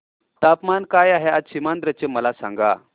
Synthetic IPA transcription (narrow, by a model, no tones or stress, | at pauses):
t̪apmankajaɦead͡zɕimand̪ɾət͡ɕeməlasã̰ŋɡa̰